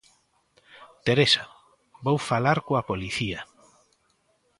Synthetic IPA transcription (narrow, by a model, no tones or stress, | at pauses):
t̪eɾesa | βowfalaɾkoapoliθia